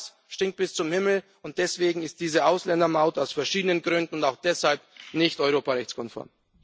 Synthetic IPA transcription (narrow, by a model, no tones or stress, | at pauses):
s | ʃtɪŋt̚b̥ɪst͡sʊmhɪml̩ | ʊnt̚d̥ɛsv̥eːɡŋ̩ɪst̚d̥iːzəʔaʊslɛndɐmaʊtaʊsfɛɐʃiːdənənɡʁʏndn̩ʊntaʊxd̥ɛshalp̚nɪçtɔʏʁ̞oːpaʁɛçt͡skʰɔnfɔ̰ɐm